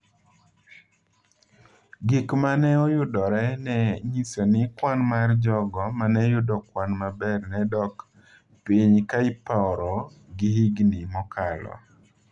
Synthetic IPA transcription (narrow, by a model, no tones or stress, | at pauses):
ɡɪkmanɛɔjʊdɔɾɛnɛɲisɔnɪkwanmard͡ʒɔɡɔmanɛjʊdɔkwanmabɛrnɛdɔk | piɲkaɪpaɔɾɔ | ɡɪhiɡnimɔkʰalɔ̰